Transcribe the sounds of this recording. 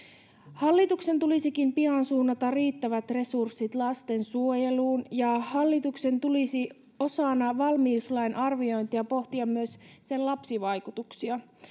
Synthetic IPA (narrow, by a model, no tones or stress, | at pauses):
hɑlːit̪ukse̞nt̪ulisikimpiɑnsuːnːɑt̪ɑriːt̪ːæʋæt̪re̞sursːit̪lɑst̪e̞nsuo̞jeluːnjɑhɑlːit̪ukse̞nt̪ulisi | o̞sɑnɑʋɑlmiːslɑjnʔɑrʋio̞jnt̪iɑpo̞ht̪iɑmmyøsse̞nlɑpsiʋɑjkut̪uksiɑ